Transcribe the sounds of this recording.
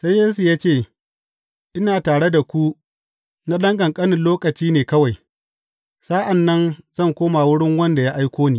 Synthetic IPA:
sa˦jːeː˦s̬u˨jaː˦t͡ʃeː˦˨ | ʔɪ˦naː˨taː˨ɽe˦da˨kʷu˦ | na˦ɗɐ˦ŋɡɐ˨ŋkʼɐ˦nɪ˨nloː˦kɐ˨t͡ʃiː˦neː˨kɐ˦wa˨j | saː˦ʔa˨nːɐ˦nz̥ɐ˦˨ŋkʷoː˦ma˨wʊ˦ɽɪ˦ŋwɐ˦nda˨ja˦ʔa˦jkʷoː˦niː˦˨

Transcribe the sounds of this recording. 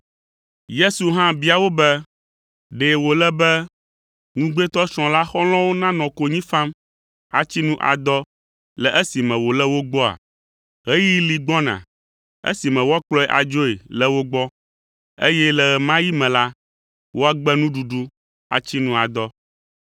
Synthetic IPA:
je˦su˨ɦã˦bi˨˦a˨wo˦bɛ˦ | ɖe˨wo˨lɛ˦bɛ˦ | ŋũ˦ɡ͡be˦t̪ɔ˦ʃɔ̃˨la˦xɔ˦l̃ɔ̃˦wo˦nã˦nɔ̃˨ko˨ɲĩ˦fã˦m | a̰˨t͡ɕi˦nũ˦ʔa̰˨d̪ɔ˦ | lɛ˨ʔe˦si˨mɛ̃˨wo˨lɛ˦wo˦ɡ͡bɔ˦a̰˨ | ɦe˦ji˦li˨ɡ͡bɔ˦nã̰˨ | ḛ˦si˨mɛ̃˨wo˦a˦k͡plɔ˦ɛ˨ʔa̰˨d͡ʒo˦e˨lɛ˦wo˦ɡ͡bɔ˦ | ḛ˦jɛ˦lɛ˨ɣɛ˨mã˦ji˦mɛ̃˨la˦ | wo˦a˦ɡ͡bɛ˦nũ˦ɖu˨ɖu˦ | a̰˨t͡ɕi˦nũ˦a˨d̪ɔ˦

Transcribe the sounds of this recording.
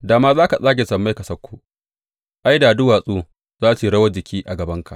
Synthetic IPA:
daː˨maː˦zaː˦ka˨sʼaː˦ɡʲe˨sɐ˨mːa˦jkɐ˨sɐ˦kʷːu˦ʔ | ʔa˦jdaː˨dʊ˦waː˨sʼuː˦ | zaː˦siː˨ɽɐ˦wɐ˦d͡ʒɪ˨kʲiː˦ʔa˨ɡɐ˨bɐ˦ŋka̰˨ʔ

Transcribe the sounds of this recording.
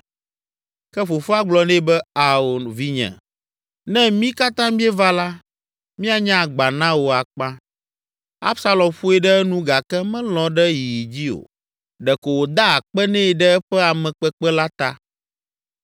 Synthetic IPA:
kɛ˦ɸo˨fu˦a˦ɡ͡blɔ˨nɛ̃˦bɛ˦a˨o˨nvi˦ɲɛ̰̃˨ | nɛ̃˦mĩ˦ka˦t̪ã˦mĩ˦ɛ˦va˦la˦ | mĩ˦a˨ɲã˦˨ɡ͡ba˨nã˦wo˨a˨k͡pã˦ | a̰˦bsa˦lɔ̃˨mɸu˦ɛ˨ɖɛ˦ɛ˦nũ˦ɡa˨kɛ˦mɛ̃˦lɔ̃˨ɖɛ˦ji˨ji˨d͡ʑi˦o̰˨ | ɖɛ˨ko˨wo˨d̪a˦a˨k͡pɛ˦nɛ̃˦˨ɖɛ˦ɛ˦ɸɛ˦a˨mɛ̃˨k͡pɛ˦k͡pɛ˦la˦t̪a̰˨

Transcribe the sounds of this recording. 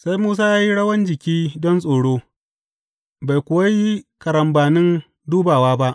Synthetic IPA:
sa˦jmuː˦s̬aː˦jaː˦ji˦ɽɐ˦wɐ˦nd͡ʒɪ˨kʲiː˦dɔ˦nsʼoː˨ɽoː˦ | ba˨jkʷʊ˨wa˦ji˦kɐ˨ɾɐ˨mbaː˨nɪ˦n | duː˦baː˨waː˦ba˦ʔ

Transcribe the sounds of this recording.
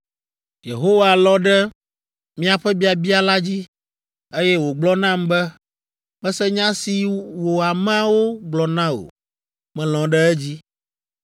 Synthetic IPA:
jḛ˨ɦo˦wa˨lɔ̃˦ɖɛ˦ | mĩ˦a˨ɸɛ˦bi˦a˨bi˦a˨la˦d͡ʑi˦ | e˦jɛ˦wo˨ɡ͡blɔ˦nã˦mbɛ˦ | mɛ̃˦sɛ˦ɲã˦si˨wo˨a˨mã˦wo˦ɡ͡blɔ˨nã˦o̰˨ | mɛ̃˨l̃ɔ̃˨ɖɛ˦ɛ˦d͡ʑi˦

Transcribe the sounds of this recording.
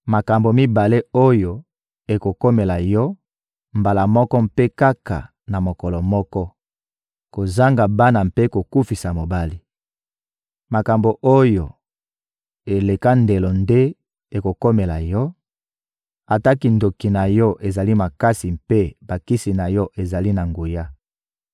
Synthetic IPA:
ma˨ka˨mbo˨mi˦ba˨le˦o˦jo˨ | e˨ko˨ko˦me˨la˨jɔ˦ | mba˨la˨mɔ˦kɔ˦mpe˦ka˦ka̰˨ | na˨mo˨kɔ˨lɔ˨mɔ˦kɔ˦ | ko˨za˦ŋɡa˨ba˦na˨mpe˦ko˨ku˦fi˨sa˨mo˨ba˦li˦ | ma˨ka˨mbo˨ʔo˦jo˨ | e˨le˨ka˦nde˨lo˨nde˦ | e˨ko˨ko˦me˨la˨jɔ˦ | a˨ta˦ki˨ndo˨ki˨na˨jɔ˦ʔe˨za˨li˦ma˨ka˦si˨mpe˦ba˨ki˦si˨na˨jɔ˦ʔe˨za˨li˦na˨ŋɡu˨ja˦

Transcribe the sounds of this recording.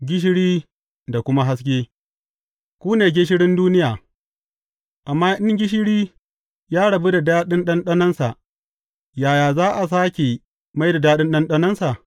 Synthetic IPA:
ɡʲɪ˦ʃ̬ɪ˦ɽiː˦ | da˨kʷʊ˦ma˦ɦa˦s̬kʲeː˦ | kʷuː˦neː˨ɡʲe˦ʃ̬ɪ˦ɽɪ˦nduː˦nɪ˦jaː˨ | ʔa˨mːaː˦ʔɪ˦ŋɡʲɪ˦ʃ̬ɪ˦ɽiː˦ | jaː˦ɽɐ˨be˦da˨daː˦ɗɪ˦nɗɐ˦nɗɐ˦nɐ˦nsa˨ʔ | jaː˨jaː˨zaː˦ʔa˨s̬aː˦kʲe˨ | ma˦jda˨daː˦ɗɪ˦nɗɐ˦nɗɐ˦nɐ˦nsa˨

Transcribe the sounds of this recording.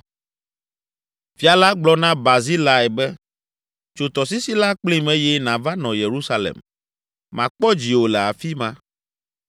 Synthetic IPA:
fi˨a˨la˦ɡ͡blɔ˦nã˦ba˨zi˦la˦ɛ˨bɛ˦ | t͡ʃo˨t̪ɔ˨s̬i˦si˦la˦k͡pli˦mɛ̃˦jɛ˦nã˨va˦nɔ̃˨je˨ɾu˦sa˦lḛ˨mː | ã˨k͡pɔ˦d͡ʑi˨wo˨lɛ˨a˨fi˦mã˦

